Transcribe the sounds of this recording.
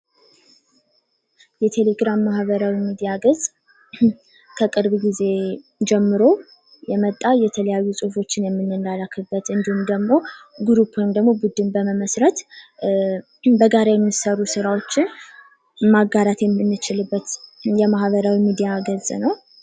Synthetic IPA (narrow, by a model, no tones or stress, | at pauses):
jɛt̪ʰe̞leɡɾamːahβəɾawimid̪ijaɡəzʼ | kʰəkʼɨɾβɡize̞ | d͡ʒɛmːɨɾo̞ | jɛmət̪ʼːajɛt̪ʰələjajːusʼufo̞t͡ʃːɪnjɛmːɨnːɨnːalakʰːɨbːət̪ɨnd̪ihumd̪əɡmo̞ɡɾupʰojmd̪əɡmo̞bud̪ɨmbəməməsɾət̪ | bəɡaɾajɛmːisərːusɨɾawo̞t͡ʃːɪn | maɡaɾat̪jɛmɨnːɨt͡ʃɪlɨbːət̪jɛmahβəɾawimid̪ijaɡəzʼnəw